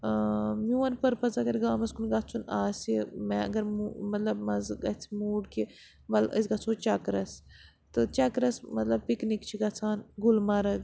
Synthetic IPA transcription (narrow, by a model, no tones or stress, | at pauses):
muːɐnpɐɾpɐzɐɡɐɾɡaːmɐskunɡɐt͡sʰunaːsimɛɐ̰ɡɐɾmumɐt̪lɐbmɐzɡɐt͡sʰimuːɖki | ʋɐlə̰s̬ɡɐt͡sʰoːt͡ʃɐkɾɐs | t̪ɨt͡ʃɐkɾɐsmɐt̪lɐb̚piknikt͡ʃʰiɡɐt͡sʰaːnɡulmɐɾɐ